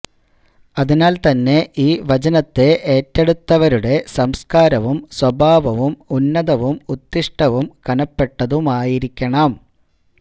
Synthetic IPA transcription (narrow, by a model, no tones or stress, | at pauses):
ɐðinaːlt̪ɐnːe̞ʔiːʋɐt͡ɕɐnɐt̪ːe̞ʔeːtːeɽut̪ːɐʋɐɾuɽe̞sɐmskaːɾɐʋumswɐbʱaːʋɐʋumunːɐðɐʋumut̪ːiʂʈɐʋumkɐnɐpːe̞ʈːɐðumaːjiɾikʲːɐɳɐm